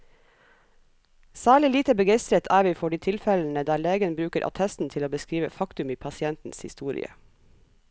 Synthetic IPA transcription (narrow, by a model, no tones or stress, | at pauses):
sæːɭɪliːt̪əbəɡeɪst̪ɾət̪ʰæːʋiːfɔɖiːt̪ʰɪlfɛln̩əd̪æːleːɡənbɾʉːkəɾʔɑ̰t̪ʰɛst̪n̩t̪ʰɪloːbəskɾiːʋəfɑkt̪ʉmiːpʰɑsɪɛnt̪n̩shɪst̪uːɾɪ̰ə̰